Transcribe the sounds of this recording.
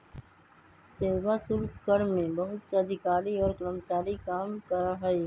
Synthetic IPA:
seːwasʊɾkkəɾmẽbɐɦʊt̪seɐd̪ʱɪkaːɾiɔːɾkɾəmt͡ʃaːɾikaːmkɐɾaɦɐi

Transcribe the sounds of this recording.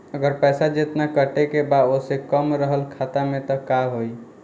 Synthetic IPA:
əɡəɾpɛsad͡ʒet̪nakəʈekebaosekəmɾəɦəlkʰat̪amet̪ɔkaɦoj

